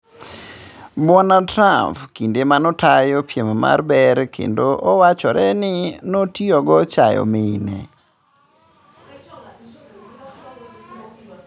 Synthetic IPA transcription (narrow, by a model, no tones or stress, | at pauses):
bɔnatɾampkindemanɔtajopjemma̰rbɛɾkʰḛndoʔɔwat͡ʃɔɾɛnɪnotiɔɡɔt͡ʃajɔ̰meinɛ̰